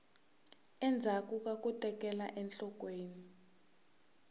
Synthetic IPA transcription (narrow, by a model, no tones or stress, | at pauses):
ɛnd͡zʱak̬ʼuk̬ʼak̬ʼutʼɛk̬ʼɛla̰ʔɛnɬɔk̬ʼweːni